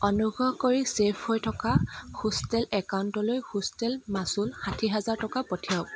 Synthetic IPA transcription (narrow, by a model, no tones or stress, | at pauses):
ɔnuɡɹɔkoɹisepʰhojtʰɔkaxustɛlɛkawntɔlojxustɛlmasulxatʰiɦɛzaɹtɔkapɔtʰiaʊk